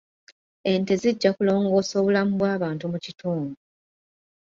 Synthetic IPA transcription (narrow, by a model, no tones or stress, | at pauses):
e̞nteziɟːakulo̞ːŋɡo̞ːso̞ːβulamuβwaːβaːntumucitʰoːŋɡo